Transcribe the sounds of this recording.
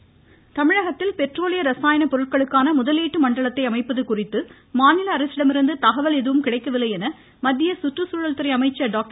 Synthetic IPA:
t̪ɐmɪɻɐɣɐt̪ːɪlpɛʈroːlɪjɐɾɐsaːjɐnɐpɔɾɯʈ̚kɐɭɯkːaːnɐmʊðɐliːʈːɯmɐɳɖɐɭɐt̪ːɐɪɐmɐɪpːɐðɯkʊrɪt̪ːɯ | maːnɪlɐːɾɐsɪɽɐmɪɾɯnd̪ɯt̪ɐɣɐʋɐlɛðɯʋɯmkɪɽɐɪkːɐʋɪlːɐɪjɛnɐ | mɐd̪ːɪjɐsʊʈrɯsuːɻɐlt̪ɯɾɐɪɐmɐɪt͡ʃːɐɖaːk̚ʈ

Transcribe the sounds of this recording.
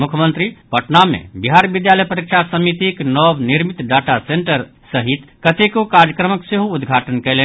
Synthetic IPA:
mukʰjəmənt̪ɾipəʈnamḛ̃biɦaɾbid̪jaləjpəɾikt͡ʃʰasəmit̪iknɔbniɾmit̪ɖaʈaseɳʈəɾ | səɦit̪kət̪ekokaɾjəkɾəməkseɦoːd̪ɡʱaʈənkɛɪlɛn

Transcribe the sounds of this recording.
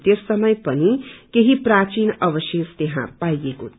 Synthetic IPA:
t̪esːʌmʌjpʌnikeɦiprat͡sinʌbʌsjest̪eɦã̰pajeko

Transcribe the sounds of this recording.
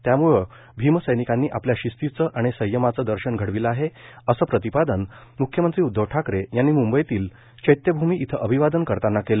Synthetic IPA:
t̪jamuɭə | bʱiməsəjnikanːiːʔapljaɕist̪it͡səʔaɽ̃isəjːəmat͡səd̪əɾɕənɡʱəɽʋiləaɦeəsəːpɾət̪ipad̪ənmukʰjəmənt̪ɾiːud̪ʱːəʋʈʰakɾejanːiːmumbəjt̪iːl | t͡ɕəjt̪jəbʱumiːʔit̪ʰəʔəbʱiʋad̪ənkəɾt̪anːakel

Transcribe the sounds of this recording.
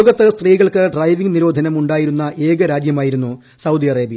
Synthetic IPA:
oɡɐt̪ːɨst̪riːɣɐɭkɨɖrɐjʋiŋɡniɾo̞ːd̪ʱɐnɐmuɳɖaːjiɾunːɐʔe̞ːɡɐɾaːd͡ʑjɐmaːjiɾunːu | sɐwd̪iɐreːbjɐ

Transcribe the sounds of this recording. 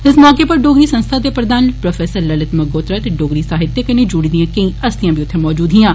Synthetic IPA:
ɪsmɔːkepəɾɖoːɡɾiːsə̃nst̪ʰaːd̪eːpɾəd̪aːnpɾofʰɛːsəɾləlɪt̪məɡoːt̪ɾaːt̪eɖoːɡɾiːsaːɦɪt̪ːeːkɐned͡ʒʊɽid̪ijãːkə̃ĩːəst̪ijãːbʱiːʊt̪ʰːemɔːd͡ʒuːd̪ɦɪ̃jãː

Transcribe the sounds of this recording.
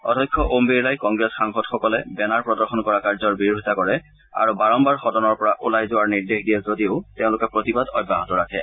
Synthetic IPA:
ɔ̰dʱɔjkʰːɔʔombelajkɔŋɡɹɛsxaŋxɔtxɔkɔlɛbɛnaɹpɹɔdɔɹxɔnkɔɹakaɹzɔɹbiɹuɦitakɔɹɛ | a̰ɹubaɹɔmbaɹxɔdɔnɔɹpɔɹaʔulajzʊwaɹniɹdexdijɛzodioʊteʊ̃lʊkɛpɹotibadɔ̰jbʱːaɦɔtɔɹakʰɛ̰

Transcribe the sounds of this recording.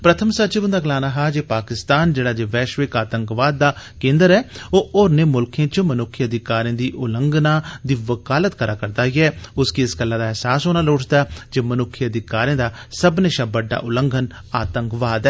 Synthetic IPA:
pɾət̪ʰəmsət͡ʃɪbənd̪aːɡəlaːnaːɦaːd͡ʒeːpaːkɪst̪aːnd͡ʒeːɽaːd͡ʒeːʋɛːʃʋɪkaːt̪əŋkʋaːd̪̚ːaːkẽːnd̪əɾɛːoːʔoːɾneːmʊlkʰjãːt͡ʃəmənʊkʰːiəd̪ɪkaːɾiãːd̪iːʔʊləŋɡnãːd̪iːʋəkaːlət̪kəɾaːkəɾd̪aːɦiɛːʊskiɪskəlːaːd̪aːɛːsaːsoːnaːloːʈʰd̪aːd͡ʒeːmənʊkʰːiəd̪ɪkaːɾijãːd̪aːsəbneːʃaːbəɖːa̰ːʔʊləŋɡʱən | aːt̪əŋkʋaːd̪ɛː

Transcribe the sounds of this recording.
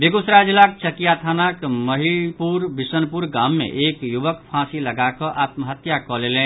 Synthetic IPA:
beɡusɾad͡ʒlak̚t͡ʃəkijat̪ʰanakməɦiɭpuɾbisənpuɾɡamːḛʔekjuʋəkpʰãsiləɡakɔ̃ʔat̪məɦət̪jakɔlelẽ

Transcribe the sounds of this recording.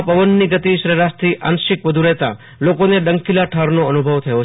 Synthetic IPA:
pəʋənːiɡət̪iʃɾeɾast̪ʰiʔa̰nʃɪkʋəd̪ʱuɾəɦt̪a̰ | lokoneɖəŋkilaʈʰaɾnoənubʱəʋt̪ʰəjo

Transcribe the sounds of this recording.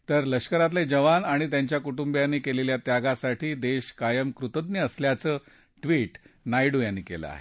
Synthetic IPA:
t̪əɾləɕkəɾat̪led͡ʑəʋanaɽ̃it̪jaɲt͡ɕjakuʈumbjanːiːkeleljat̪jaɡasaʈʰiːd̪eɕkajəmkɾut̪əd̪̚njəəsljat͡səː | ʈʋiːʈnajɽujanːiːkelə̰a̰ɦḛ

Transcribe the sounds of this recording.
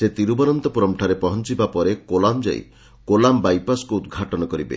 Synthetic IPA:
set̪iɾubɔnɔnt̪ɔpɔɾɔmʈʰaɾepɔɦɔnt͡ʃibapɔɾekolamd͡ʒa̰ḭ | kolambajpaskuːd̪ɡʱaʈɔnɔkɔɾibḛ

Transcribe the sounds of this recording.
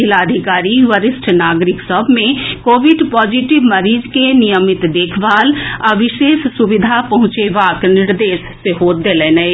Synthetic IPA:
ɪlaːd̪ʱɪkaːɾiʋəɾɪsʈʰnaːɡɾɪksəbʱmẽkoːʋɪɖpɔːd͡ʒiʈɪʋməɾiːd͡ʒkenijəmɪt̪d̪eːkʰʋaːlɐʋɪʃeːssʊʋɪd̪ʱapɐɦʊ̃t͡ʃeʋaːknɪɾd̪eːʃseɦoːt̪d̪eleːnəe

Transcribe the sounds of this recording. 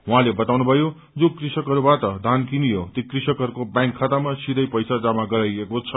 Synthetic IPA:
ɦuɦãlebʌt̪awnubʱʌjo | d͡zokrisʌkɦʌɾubat̪ʌd̪ʱankinijot̪ikrisʌkʌɾukobjãŋkʰːat̪amasid̪ʌjpʌjsad͡zamaɡʌɾajekot͡sʰʌ

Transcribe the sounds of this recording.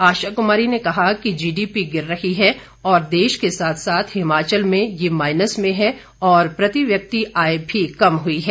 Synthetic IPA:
aːʃakʊmaːɾinekɐɦakid͡ʒiːɖiːpiɡɪɾːɐɦiɦɛ | ɔːɾd̪eːʃkesaːt̪ʰsaːt̪ʰhɪmaːt͡ʃəlmẽjemaːɪnəsmẽɦɛ | ɔːɾpɾɐt̪iʋjɐk̚t̪iaːebʱikɐmɦʊiɦɛː

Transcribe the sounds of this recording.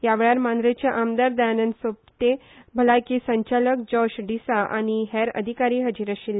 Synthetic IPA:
jaʋeɭaɾmand̪ɾet͡ɕjaʔamd̪əɾd̪aanənsop̚t̪ebʱəlakisəɲt͡ɕalək̚d͡ʑɔɕɖisaʔa̰ɽ̃iɦɛɾə̰d̪ʱikaɾiːɦəd͡ʑiɾəɕilːe

